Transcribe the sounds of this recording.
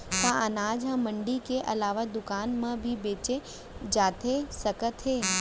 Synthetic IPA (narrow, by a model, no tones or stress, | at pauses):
t̪ãənaːd͡ʒɦɐ̃mɐ̃ɳɖikeʔɐlaːʋad̪ʊkaːnmɐ̃bʱibeːt͡ʃe | d͡ʒaːt̪ʰesɐkət̪ɦeː